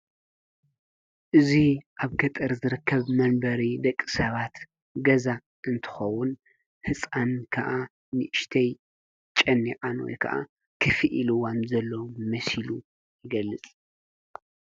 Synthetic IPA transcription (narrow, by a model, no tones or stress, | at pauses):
ʔɨziʔaβɡɐt̪ʼɐɾzɨɾɨkʰːɐβmɐnbɐɾid̪ɐkʼːi̥sɐβat̪ | ɡɐza | ʔɨnt̪ʰɨ̥xɐwʊn | hɨt͡sʼankʰɐʔa | nɨʔɨʃt̪ʰɐj | t͡ʃʼɐnːiʕanwo̰jkʰɐ̰ʔa̰ | kʰɨfɨʔilɨwanzɐlːomɐsilu | jɪɡɐlːɨt͡sʼ